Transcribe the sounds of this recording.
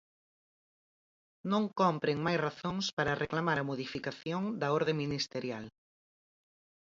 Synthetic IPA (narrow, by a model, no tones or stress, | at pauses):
nõŋkɔmpɾeŋmajsraθõŋspaɾɐreklamaɾɐmoðifikaθjoŋd̪ɐɔɾðeŋminist̪eɾjal